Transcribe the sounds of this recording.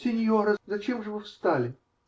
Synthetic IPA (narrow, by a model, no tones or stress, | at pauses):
sʲenʲjoɾɐzɐt͡ɕemʐɨvɨfst̪alʲɪ